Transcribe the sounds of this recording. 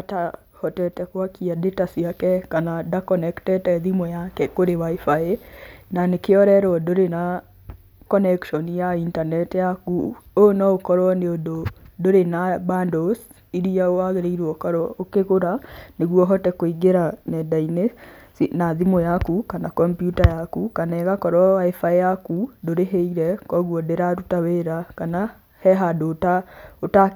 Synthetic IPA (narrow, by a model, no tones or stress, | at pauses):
ata | hɔtɛtɛkwakiadetasiakɛkanadakɔnɛktɛtɛðimɔjakɛkoɾewaifaenanekeɔɾɛɾɔdoɾena | kɔnɛkʃɔnijaintanɛtjakuonɔokɔɾwɔneododoɾenabandos | iɾiaowaɣeɾeiɾwɔkaɾɔokeɣoɾaneɣwɔɦɔtɛkwoiɡeɾanɛdainesinaðimojakukanakɔmpjutajakukanɛɣakɔɾwɔaefajakudoɾeɦeiɾɛkɔɣwɔdeɾaɾutaweɾakana | hɛɦadotaota